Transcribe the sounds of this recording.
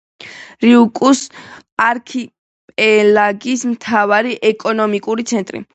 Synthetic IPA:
ɾiukʼus | aɾkʰi | pʼɛlaɡismt̪ʰavaɾiʔɛkʼɔnɔmikʼuɾit̪sʰɛnt̪ʼɾḭ

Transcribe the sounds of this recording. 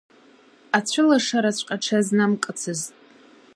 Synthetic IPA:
at͡ɕʷʰʊlaʂaɾat͡ɕʷʰʼqʼaʈ͡ʂʰaznamkʼɨt͡sʰɨztʼ

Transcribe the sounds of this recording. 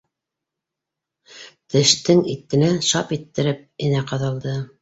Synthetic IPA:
t̪ɘ̆ʃt̪ɘŋit̪ːɘ̆nænʃɑpit̪ːɘ̆ɾɘp̚ɘ̆næqɑðɑlˠd̪ɤ

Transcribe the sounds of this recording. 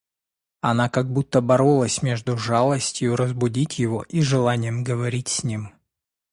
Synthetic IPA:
ɐnakɐɡ̚but̪ːəbɐɾolˠəsʲmʲe̞ʐd̪ʊʐalˠəsʲtʲjʊɾəzbʊdʲitʲjɪvoʔiʐɨlˠanʲɪjəmɡəvɐɾʲitʲsʲnʲim

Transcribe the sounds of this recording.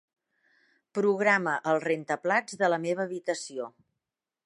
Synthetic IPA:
pɾuɣɾaməʔəlˠrent̪əplad͡zðələmeβ̞əːβit̪əsio

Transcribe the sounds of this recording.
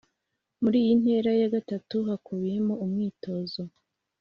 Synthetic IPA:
muɾiːjin̥he̞ːɾajaɡatatuhakuβije̞moumŋiːto̞ːzo

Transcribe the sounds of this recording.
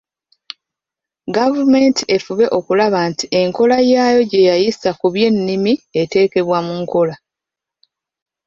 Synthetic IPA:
ɡavume̞ntie̞fuβe̞ʔo̞kulaβantiʔe̞ŋko̞lajaːjo̞ɟe̞jajisakuβje̞nːimie̞te̞ːke̞βwamuŋko̞la

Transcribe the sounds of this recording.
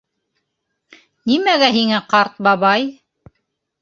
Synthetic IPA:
nimæɡæɦiŋæqɑɾt̪̚bɑβɑj

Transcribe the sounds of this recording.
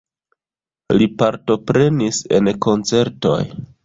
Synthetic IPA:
lipaɾto̞pɾe̞nise̞̰nko̞nt͡se̞ɾto̞̰j

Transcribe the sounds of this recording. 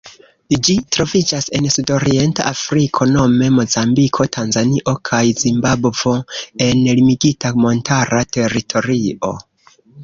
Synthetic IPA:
d͡ʒitɾo̞vid͡ʒase̞nsudo̞ɾie̞nta̰ʔafɾikʰo̞no̞me̞mo̞zambikʰo̞tʰanzaniʔo̞kʰajzimbabvo̞e̞nlimiɡitamo̞ntʰaɾʔate̞ɾitʰo̞ɾio̞̰

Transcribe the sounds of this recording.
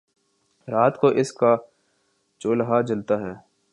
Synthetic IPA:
ɾaːt̪koʔɪska | t͡ʃoːlɦad͡ʒɐlt̪aɦɛː

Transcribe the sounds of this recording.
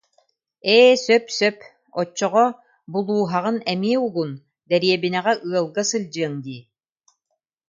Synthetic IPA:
ɛːsœpsœp | ɔt͡ɕːɔʁɔ | bulˠuːɦaʁɯnɛmiɛuɡun | d̪ɛɾiɛbinɛʁɛʔɯɐlˠɡasɯlʲd͡ʑɯɐŋd̪iː

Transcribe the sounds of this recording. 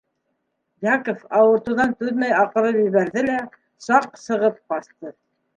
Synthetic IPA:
jɑkofɑwɤ̆ɾt̪uðɑnt̪ʉðmæjɑqɤ̆ɾɤpjɵ̆βæɾðɘlæ | sɑq̚sɤ̆ʁɤp̚bɑst̪ɤ

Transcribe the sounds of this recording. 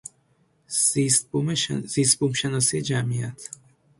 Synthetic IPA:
ist̪z̥iːst̪̚bumʃenɒːsijed͡ʒæmiæt̪ʰ

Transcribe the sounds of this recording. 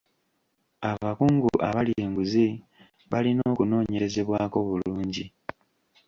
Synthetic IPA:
aβakuːŋɡuʔa̰βalje̞ːŋɡuzi | βalino̞ːkuno̞ːɲe̞ɾe̞ze̞βwaːko̞βuluːɲɟi

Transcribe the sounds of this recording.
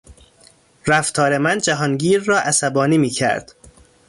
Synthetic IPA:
ɾæft̪ʰɒːɾe̞mænd͡ʒæɦɒnɟiːɾːɒːʔæsæbɒːniːmiːcʰæ̰ɾd̪̥

